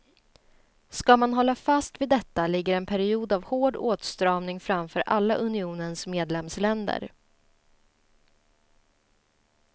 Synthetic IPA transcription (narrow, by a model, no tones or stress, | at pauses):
skamanɦɔlːafast̪vɪd̪ɛt̪ːalɪɡːəɾɛnpʰæɾɪuːd̪avhoːɖoːt̪st̪ɾɑːvnɪŋfɾamfœːɾʔalːaʔɵnɪuːnənsmeːd̪lɛmslɛnd̪ə̰ɾ